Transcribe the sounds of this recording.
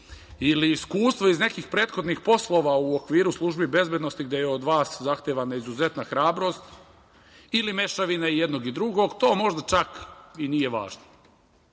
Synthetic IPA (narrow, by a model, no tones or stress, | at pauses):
iliːskuːst̪ʋo̞izne̞kiːxpɾe̞ːt̪xo̞d̪nixpo̞slˠo̞ʋauokʋiːɾuslˠuʒbibe̞zbʲjed̪no̞st̪iɡd̪jejeod̪ʋaːszaxt̪eːʋanaizuze̞t̪naxɾaːbɾo̞st̪ | ilime̞ʃaʋinaijed̪no̞ɡid̪ɾuɡo̞ɡt̪o̞ːmo̞ʒd̪at͡ʃakinijeʋa̰ːʒno